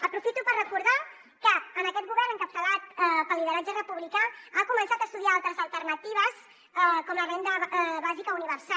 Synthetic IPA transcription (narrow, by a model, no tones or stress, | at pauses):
əpɾufit̪upərrəkuɾða | kəːnəkɛt̪ɡuβɛɾnəŋkəp̚t̪əlat̪pəlːiðəɾad͡ʒərəpuβlikaakumənsat̪əst̪uðiaalˠt̪ɾəzəlˠt̪ərnət̪iβ̞əs | ɛkɔmləβend̪əβazikəuniβəɾsa